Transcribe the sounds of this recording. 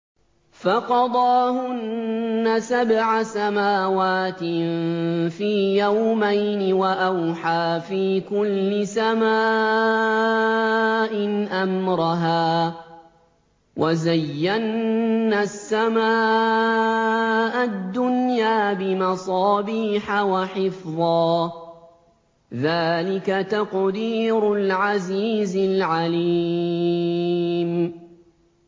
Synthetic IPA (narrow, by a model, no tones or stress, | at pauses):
faqɑd̪ˤɑːhʊnːasabʕasamaːwaːt̪ɪ | fiːjawmajnɪwaʔawħaːfiːkʊlːɪsamaː | ʔɪnʔamɾɑɦaː | wʔazajːanːasːamaː | ʔad̪ːʊnjaːbɪmɑsˤɑːbiːħawaħɪfðˤɑː | ðaːlɪkat̪aqd̪iːɾʊlʕaziːzɪlʕali | m